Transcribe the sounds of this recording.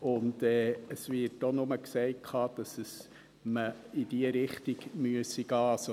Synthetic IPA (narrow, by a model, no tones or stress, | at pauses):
ʊndɛːəsvɪɾtːonʊməksɛɪkʰɑːd̥ɑsəs | məidiəɾɪχtiɡmyəsiɡɑːso